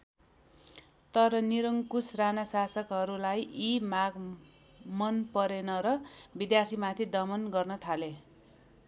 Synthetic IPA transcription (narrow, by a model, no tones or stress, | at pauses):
t̪ʌɾʌniɾʌŋkusranasasʌkɦʌɾulajʔimaɡ | mʌnpʌɾenʌɾʌbid̪jart̪ʰimat̪ʰid̪ʌmʌnɡʌrnʌt̪ʰale